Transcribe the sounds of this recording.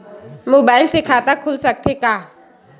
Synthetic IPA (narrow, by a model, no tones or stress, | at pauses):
mobaɪlsɪkʰatakʰulsak̚tʰeka